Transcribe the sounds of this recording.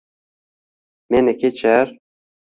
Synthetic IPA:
menɛket͡ʃʰɛɾ

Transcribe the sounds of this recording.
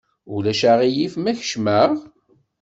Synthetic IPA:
ulæʃaʁijifmæçə̥ʃmæʁ

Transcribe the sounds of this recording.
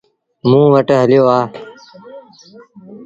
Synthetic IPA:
mũːʋəʈɦəljoːaː

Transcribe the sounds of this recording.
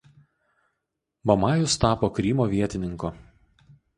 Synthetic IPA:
bɐmɑːjʊst̪ɑːpoːkɾʲiːmoːʋʲiɛt̪ʲɪnʲɪŋkoː

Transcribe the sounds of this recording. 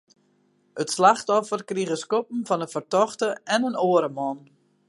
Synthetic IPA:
ətslaxtɔfərkriɣəskop̚m̩vɔnəfərtɔxtəɛnənoəɾəmɔn

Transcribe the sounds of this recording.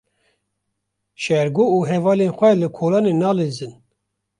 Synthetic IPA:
ʃɛɾɡoːuɦɛvɑːlenxʷɛlɨkʰoːlɑːnenɑːlezɨn

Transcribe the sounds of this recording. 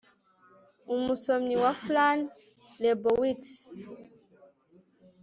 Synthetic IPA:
umusomɲiwaflan | lɛbowits

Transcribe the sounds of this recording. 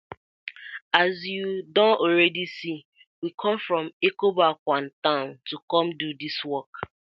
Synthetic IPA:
azjudɔ̃nɔɾɛdisi | wikʰɔ̃ɱfɹɔ̃mekobakʷantãʊ̃ntukɔ̃mdudiswɔk

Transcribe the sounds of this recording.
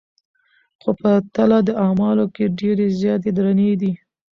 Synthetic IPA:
xopət̪alad̪əʔɑmɑlokeɖeɾezjɑt̪̬ed̪ɾaned̪i

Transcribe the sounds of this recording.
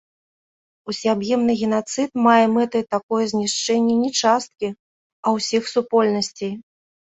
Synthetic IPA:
usʲiabjɛmnɨɣʲɛn̪at̪sɨt̪majɛmɛt̪ɨjt̪akɔjɛzʲnʲiʂt͡ʂɛnʲːɛnʲɛt͡ʂast̪̚kʲi | ɐwsʲixsupɔlʲnɐsʲt͡sʲej

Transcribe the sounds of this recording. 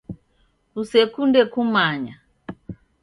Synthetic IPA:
kusɛkundɛkumaɲa

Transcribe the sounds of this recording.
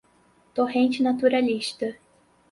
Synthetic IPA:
t̪oɦẽnt͡ʃɪnat̪uɾaliʃt̪ɐ

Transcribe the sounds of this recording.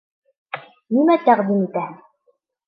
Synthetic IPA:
nimæt̪æqd̪imit̪æhæ

